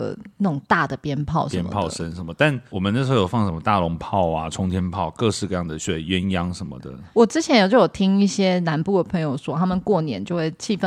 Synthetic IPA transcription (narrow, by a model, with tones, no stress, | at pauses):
ə̰˧˩nə˥˩ʈ͡ʂʊ˨˩ŋt̪a˥˩d̪ə˩pjɛ˥npʰɑ˥˩ʊʂə˧˥nmpʰɑ˥˨ʊʂə˦nʂə˧˦nmə˩t̪a˥˩nwɔ˨˩mə˦n˥˩ʂ̬ə˧˥o˥˩jo˨˩fɑ˥˩ŋʂə˦mə˧t̪a˥˩lʊ˧˥ŋpʰɑ˥˨ʊa˨ʈ͡ʂʰʊ˥ŋt̪ʰjɛ˥npʰɑ˥˨ʊkɤ˥˧ʂɻ̩˥˧kɤ˥˧jɑ˥˩ŋd̪ə˩ɕɛ˥˩˨ɥɛ˥˦njɑ˦ŋʂə˧˦nmə̰˨d̪ə̰˩wɔ˨˩ʈ͡ʂɻ̩˥t͡ɕʰjɛ˧˥njo˨˩t͡ɕo˥˩ʊjo˨˩t̪ʰi˥ŋi˥˩ɕjɛ˥na˧˥npu˥˩d̪ə˩pʰɤ˧˥ŋjo˨˧ʊʂwɔ˥t̪ʰa˥mə˨nkwɔ˥˩njɛ̰˨˦nt͡ɕjo˥˧ʊxwe˥˩ɪt͡ɕʰi˥˧fə˥˩